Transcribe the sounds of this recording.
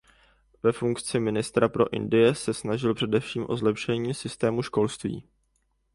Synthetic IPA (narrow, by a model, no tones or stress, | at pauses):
vɛfuŋkt͡sɪmɪnɪst̪ɾapɾo̞̰ʔɪ̰ndɪjɛsɛsnaʒɪlpr̥ɛdɛfʃiːmʔo̞̰zlɛpʃɛɲiːsɪst̪ɛːmuʃko̞lst̪vḭː